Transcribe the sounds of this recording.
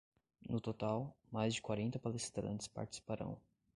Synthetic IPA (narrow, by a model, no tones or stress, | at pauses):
nʊt̪ot̪awmajzd͡ʒɪkwaɾẽnt̪ɐpalest̪ɾɐ̰̃nt͡ʃɪ̥spa̰ɾt͡ʃɪ̥si̥paɾɐ̰̃w̃